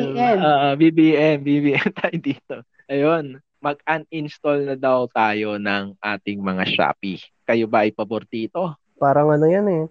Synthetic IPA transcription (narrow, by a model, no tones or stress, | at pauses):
aoːʔobibiʔɛmbibiːʔɛmt̪aːjod̪iːt̪o̞ | ʔɐjo̞n | mɐɡ̚ɐnɪnst̪olnɐd̪ɐwt̪aːjo̞nɐŋʔaːt̪ɪŋmɐŋa̰ʃa̰ːpikɐjobɐʔɐjpɐboɾt̪iːt̪o̞ | paːɾɐŋʔɐnojɐnɛ